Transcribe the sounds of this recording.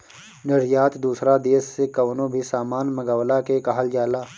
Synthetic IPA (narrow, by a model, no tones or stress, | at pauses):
nɪɾjaːt̪d̪uːsɾad̪eːsːekɐʋnõbʱisaːmaːnmɐɡaːwlakekɐɦəld͡ʒaːlaː